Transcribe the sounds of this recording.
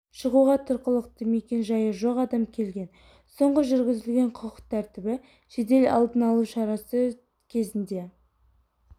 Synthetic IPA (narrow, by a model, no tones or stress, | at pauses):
ʃəʁuʁɑt̪ʰʊɾqəlˠəqt̪əme̞kʲe̞nʒɑjəʒo̞qɑd̪ɑmkʲʰe̞lɡʲe̞n | so̞ɴʁəʒʏɾɡʲɪzɪlɡʲe̞ɴqʰəqə̥qt̪ʰæɾt̪ɪbɪ | ʒ̥e̞d̪e̞lɑ̰lˠd̪ənɑlˠuʃɑɾɑsə | kʲʰe̞zɪnd̪e̞